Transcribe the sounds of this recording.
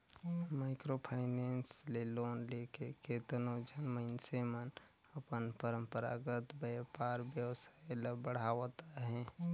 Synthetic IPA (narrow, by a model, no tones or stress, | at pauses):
maɪkɾopʰaɪnensleloːnlekeket̪ənod͡ʒʱənməɪnsemən | əpənpəɾəmpəɾa̰ɡət̪bəjpaɾbjəwsaeləbəɽ̤awt̪aɦɛ̃